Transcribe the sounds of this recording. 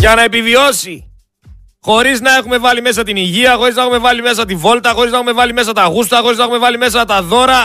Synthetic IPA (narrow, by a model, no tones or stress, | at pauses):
ʝɐnɐe̞pivio̞si | xo̞ɾiznɐe̞xume̞vɐlime̞s̬ɐt̪iniʝiɐxo̞ɾiznɐexume̞vɐlime̞s̬ɐt̪ivo̞lt̪ɐxo̞ɾiznɐe̞xume̞vɐlime̞s̬ɐt̪ɐɣust̪ɐxo̞ɾiznɐexume̞vɐlime̞s̬ɐt̪ɐðo̞ɾɐ